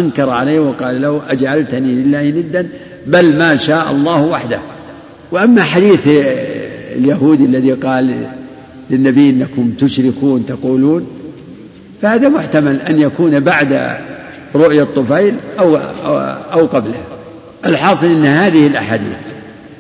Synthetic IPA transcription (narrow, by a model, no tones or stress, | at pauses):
ʔaŋkɑɾˤʕaleːhwɑqɑːlalahuʔad͡ʒʕalt̪nilɪlːaːhnɪd̪ːan | balmaːʃaːʔɑ̰lˤːɑːhwaħd̪a̰h | wɪʔamːaħad̪iːθ | ljaɦuːd̪alːaðiqɑːlː | ɪnːabijːʔɪnːakʊmt̪ʊʃɾɪkuːnt̪ɑquːluːn | fahaːðamʊħt̪amalʔanjakuːnbaʕd̪a̰ | ɾˤʊʔjat̪ˤːʊfajlʔaw̰ | ʔawqɑblaha | ʔalħɑːsˤɨlʔɪnːhaːðɪhɪlʔa̰ħaːd̪ḭːθ